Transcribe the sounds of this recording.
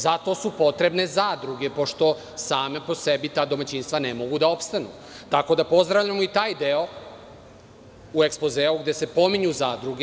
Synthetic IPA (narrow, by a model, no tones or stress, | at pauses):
zat̪o̞ːsupo̞t̪ɾe̞bne̞zaːd̪ɾuɡe̞po̞ʃt̪o̞ | saːmepo̞sebit̪aːd̪o̞mat͡ɕinst̪ʋanemo̞ɡud̪ao̞pst̪anṵ | t̪ako̞d̪apo̞zd̪ɾavʎamoit̪aːjd̪eo̞ | ue̞kspo̞zeːuɡd̪e̞se̞po̞miɲuzaːd̪ɾuɡe